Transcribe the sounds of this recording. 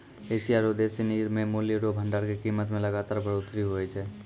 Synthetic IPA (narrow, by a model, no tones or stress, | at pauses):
eːsiaːɾod̪eːsiniːɾmẽmʊliɾobʱə̃ɳɖaːɾkekiːmət̪mẽlɐɡaːt̪aːɾbʱəɾoːt̪ɾiɦoɛt͡ʃʰɛː